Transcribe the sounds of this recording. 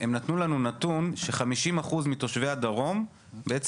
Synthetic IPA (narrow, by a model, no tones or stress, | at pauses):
emnat̪nulanunat̪unʃe̞χamiʃimaχuzmit̪o̞ʃve̞ad̪aʁo̞m | beet͡s